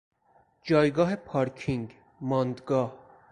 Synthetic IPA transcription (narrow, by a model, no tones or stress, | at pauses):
d͡ʒɒːjɡɒːɦepʰɒːɾkʰiŋɡ | mɒːnd̪ɡɒːh